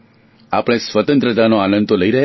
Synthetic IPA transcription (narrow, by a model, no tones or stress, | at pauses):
apəɽ̃esʋət̪ə̃nt̪ɾət̪anoanə̃nt̪oləiɾəɦe